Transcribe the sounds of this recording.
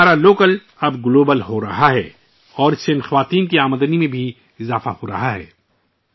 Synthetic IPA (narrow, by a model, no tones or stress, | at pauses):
aːɾaloːkəl | ɐbɡʊloːbəlɦoɾɐ̰ɦaɦɛ̰ː | ɔːɾɪseɪ̃nxɐʋaːt̪iːnkiaːməd̪ənimẽbʱi | ɪzaːfahoɾɐ̰ɦaɦɛ̰ː